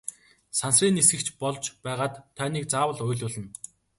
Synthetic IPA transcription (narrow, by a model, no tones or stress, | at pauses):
sansriːnisɡɘ̆kt͡ɕpɔɮt͡ɕpæːʁaːt̪ʰːœːniːk̚t͡saːwə̆ɮʊjɮʊːɮɘ̆n